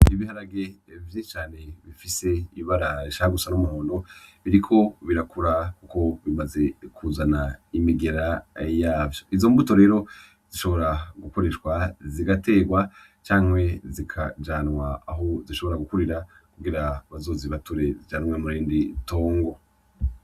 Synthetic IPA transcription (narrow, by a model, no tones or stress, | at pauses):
iβihaɾaɡevjiʃt͡ʃaːne̞βifise̞iβaɾaiʃahaɡusanumuhoːnoβiɾikʰo̞βiɾakuɾakuko̞βimaze̞kʰuzanaimiɡe̞ɾajaːvjoizo̞mbuto̞ɾe̞ːɾo̞ | z̥iʃo̞βoɾaɡuko̞ɾe̞ʃwaziɡate̞ːɡwa | t͡ʃaːŋwe̞zikʰa̰d͡ʒanwaːɦo̞ziʃo̞βo̞ɾaɡukuɾiɾa | kuɡiɾaβazo̞ːziβatuɾe̞zid͡ʒanmwemuɾiːndito̞ːŋɡo̞